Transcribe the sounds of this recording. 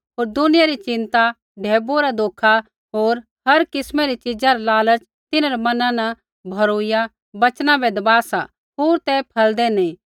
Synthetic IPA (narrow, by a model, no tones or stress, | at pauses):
ɦoːɾd̪ʊnɪjaɾit͡ʃɪ̃nt̪a | ɖʱeːboɾad̪oːkʰa | ɦoːɾ | ɦɐɾkɪsmɛɾit͡ʃɪd͡ʒaɾalaːləɾt͡ʃ | t̪ɪnaɾɛmɐnãnɐ | bʱɐɾoɪja | bɐt͡ʃnãbɛd̪ɐbaːsa̰ | ɦoːɾt̪ɛpʰɐld̪enẽ